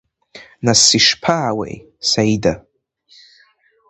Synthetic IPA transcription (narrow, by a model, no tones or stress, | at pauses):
nasiʂpʰaːwḛj | sajda